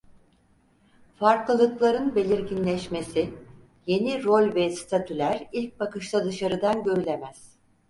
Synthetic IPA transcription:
faɾklˠɯlˠɯklˠaɾɯnbe̞lʲiɾɟinlʲɛʃme̞si | je̞niɾolʲvɛst̪ʰat̪ʰylʲæɾilʲc̚bakɯʃt̪ˠad̪ɯʃaɾɯd̪anɟø̞ɾylʲemæz̥

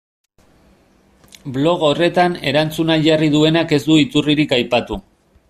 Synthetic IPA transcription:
blo̞ɣo̞re̞t̪ane̞ɾant͡sunaʝariðue̞nake̞zd̪uit͡s̪uriɾikajpat̪u

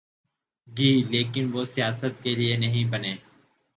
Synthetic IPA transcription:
ɡiːleːkɪnʋoːsɪjaːsət̪keːlɪeːnəɦĩːbəneː

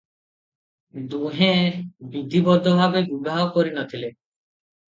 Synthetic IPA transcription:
d̪ũɦẽbid̪ʱibɔd̪ʱɔbʱabebubaɔkɔɾinɔt̪ʰile

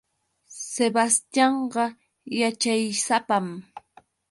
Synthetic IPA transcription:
sebast̪jɑɴɢɑ | jat͡ʃajsapam

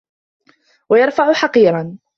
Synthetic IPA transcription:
wajɑɾˤfaʕʊħɑqiːɾˤɑn

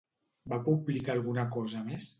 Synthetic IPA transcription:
bapublikaːlˠɣunəkɔzəmes

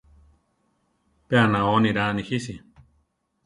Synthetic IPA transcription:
peanãoniɾanihisi

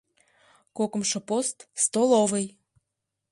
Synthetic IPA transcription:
kokə̆mʃɤ̆post̪st̪olovəj

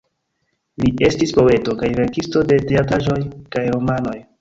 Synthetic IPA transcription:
liʔe̞stispo̞e̞to̞kajve̞ɾkisto̞de̞teataʒo̞jkajɾo̞mano̞j

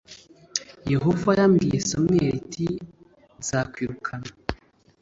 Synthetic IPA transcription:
je̞ɦo̞vajamɡijesomŋeɾitʰi | z̥aːkwiːɾukʰana

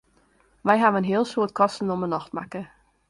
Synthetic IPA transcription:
ʋɛjɦaʋənɦɪəlˠsuətkʰɔstn̩ɔmənɔxtma̰kə

